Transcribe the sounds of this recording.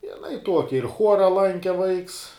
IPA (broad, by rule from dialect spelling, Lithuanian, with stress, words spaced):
jɪˈnɐɪ ˈtuɔkʲɪ ɪr ˈxuɔrɐ ˈlˠɐŋʲkʲɛ ʋɐɪks